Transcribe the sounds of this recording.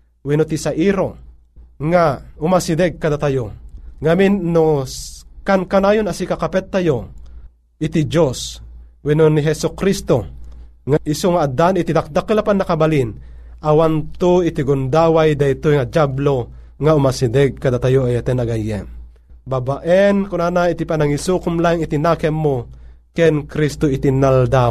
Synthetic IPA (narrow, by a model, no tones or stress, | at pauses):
winot̪isaʔiɾo | ŋaʊmasid̪ɛɡ̚kad̪at̪ajoŋaminːo | kankanaːjonasikakapɛt̪ːajo | ɪt̪id͡ʒoswinoniɦɛsukɾist̪oŋaʔisoŋaːd̪anɪt̪id̪ak̚d̪akəlapanːakabalin | awant̪uit̪iɡund̪awajd̪ajt̪ojŋad͡ʒablo | ŋaumasidɛɡ̚kad̪at̪ajoajat̪ɛnaɡajːɛ̰n | babaʔɛnkʊnanait̪ipanaŋisukʊmlaŋit̪inakɛmːo | kɛnkɾist̪oit̪inald̪a